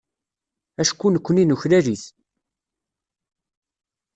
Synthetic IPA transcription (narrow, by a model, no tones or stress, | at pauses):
æʃkːunəkʷːəninuçlæɾiθ